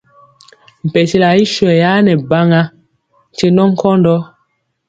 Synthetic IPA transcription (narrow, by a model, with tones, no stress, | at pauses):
m̩˨pɛ˨te˦la˨i˦ʃwɛ˨ja˦nɛ˨ba˦ŋa˦ | n˨t͡ʃe˦nɔ˦ŋ̩˦kɔ˦ndɔ˦